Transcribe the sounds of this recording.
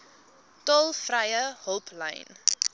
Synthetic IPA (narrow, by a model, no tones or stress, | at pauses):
tɔlˠfrɐjəɦəlˠplɛ̰jn